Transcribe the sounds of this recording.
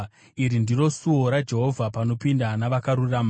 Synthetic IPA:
iɾindiro̞suoɾad͡ʒe̞ɦo̞vʱapano̞pindanaʋakaɾurama

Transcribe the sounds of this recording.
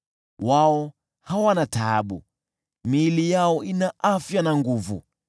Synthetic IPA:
waɔ | hawanata̰ːɓṵ | milijaɔinaʔafjanaŋɡuvṵ

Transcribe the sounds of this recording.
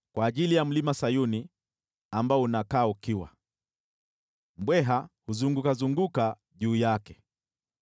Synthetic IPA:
kwaːʄilijam̩limasajuni | ambaɔunakaːukiwa̰ | m̩bwɛɦahuzuŋɡukazuŋɡuka | ʄuːjakɛ

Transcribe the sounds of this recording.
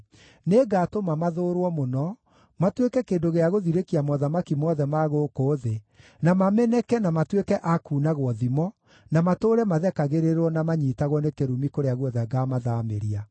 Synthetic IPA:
neɡaːtomamaðoːɾwɔmonɔ | matwekɛkeːndoɣeaɣoðiɾekiamɔðamakimɔðɛmaɣokoːðe | namamɛnɛkɛnamatwekɛʔakuːnaɣwɔðimɔ | namatoːɾɛmaðɛkaɣeɾeɾwɔnamaɲiːtaɣwɔnekeɾumikoɾeaɣwɔðɛɡamaðamḛɾia

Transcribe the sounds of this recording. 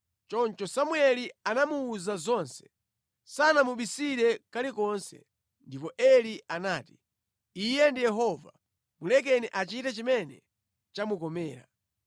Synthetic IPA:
t͡ʃɔnt͡ʃɔsamuɛlianamuːzazɔnsɛ̥ | sanamuɓisiɾɛkalikɔnsɛ̰ | ndipɔʔɛlianaːti̥ | ijɛndijɛɦɔva̰ | mulɛk̬ɛniʔat͡ʃitat͡ʃimɛnɛ̰ | t͡ʃamukɔmɛːɾa̰

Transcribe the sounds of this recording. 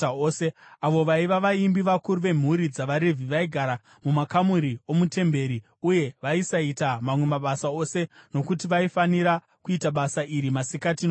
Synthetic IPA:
oseaʋo̞ʋaiʋaʋaimbiʋakuɾuʋe̞m̤uɾid͡zaʋaɾevʱiʋaiɡʱaɾa | mumakamuɾio̞mute̞mbe̞ɾi | uje̞ʋaisaitamamwe̞maɓasao̞se̞no̞kutiʋaifaniɾa | kuitaɓasaʔiɾimasikatino

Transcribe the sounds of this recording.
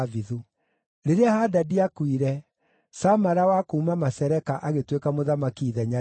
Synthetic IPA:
viðu | ɾeɾeahadadiakwiɾɛ | samaɾawakoumamasɛɾɛkaʔaɣetwekamoðamakiːðɛɲa

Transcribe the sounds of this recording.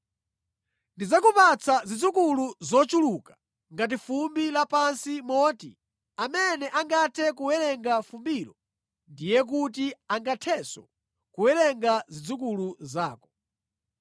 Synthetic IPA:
ndizakupat͡sʰazid͡zukuluzɔt͡ʃulukḁ | ŋɡat̬ifumbilapansimɔːtḭ | amɛnɛʔaŋɡatʰɛkuwɛɾɛŋɡafumbiɾɔ | ndijɛk̬ut̬iaŋɡatʰɛsɔ̰ | kuwɛɾɛŋɡazid͡zukuluzaːkɔ̥

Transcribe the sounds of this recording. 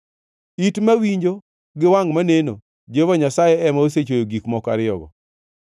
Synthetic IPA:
itmawiɲd͡ʒo | ɡɪwaŋmaneno | d͡ʒevaɲasajɛɛmaoset͡ʃojoɡikmɔkaɾɪɔɡɔ̰

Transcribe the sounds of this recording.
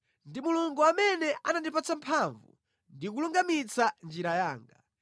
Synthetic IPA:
ndimuluŋɡuamɛnɛʔanandipat͡sampʰaɱvṵ | ndik̬uluŋɡamit͡sand͡ʒiɾajaːŋɡa

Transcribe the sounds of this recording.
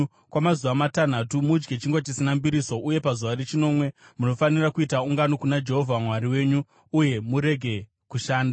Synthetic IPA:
kwamazuʋamatan̤atumud͡ʒɡet͡ʃiŋɡwat͡ʃisinambiɾiso̞ʔuje̞pazuʋaɾet͡ʃino̞mwe̞muno̞fanirakuitauŋɡanokunad͡ʒe̞ɦo̞vʱamwaɾiwe̞ːɲuː | je̞muɾe̞ɡʱe̞ | kuʃaːnda

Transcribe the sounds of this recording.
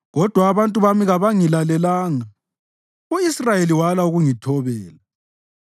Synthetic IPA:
ɣɔd̥ʱwaːβantʼuβamiɣaβaŋilalɛlaːŋa | uisrajeliwalauɣuŋitʰɔβɛːla

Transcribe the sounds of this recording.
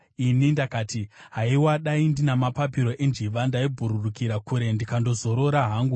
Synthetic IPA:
inindakaːtiɦaiwaɗaindinamapapiɾo̞ʔe̞nd͡ʒiʋandaibʱuɾurukiɾakuɾe̞ndikando̞zo̞ɾo̞ɾaɦaːŋɡu

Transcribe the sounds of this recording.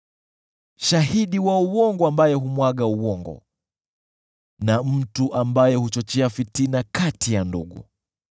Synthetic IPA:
ʃahiɗiwauwɔŋɡɔambajɛɦumwaɠauwɔŋɡɔ̰ | nam̩tuʔambajɛhut͡ʃɔt͡ʃɛafitinakatijandṵɠṵ

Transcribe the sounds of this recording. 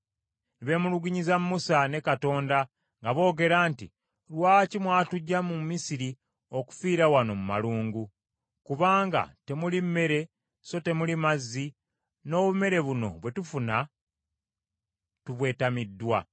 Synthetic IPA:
niβe̞muluɡuɲizamːusane̞kato̞ːnda | ŋɡaβo̞ːɡe̞ɾaːntḭ | lwaːcimwaːtuɟːamumisiɾi | oku̥fiːɾawano̞muma̰luːŋɡu | kuβaːŋɡa̰te̞mulimːe̞ɾe̞ | so̞te̞mulimazːi | no̞ːβume̞ɾe̞βuno̞̰βwe̞tufuna | tuβwe̞ːtamidːwa

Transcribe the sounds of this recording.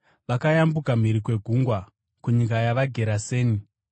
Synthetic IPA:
ʋakajambukam̤iɾikwe̞ɡʱuŋɡwa | kuɲikajaʋaɡʱe̞ɾaseːni

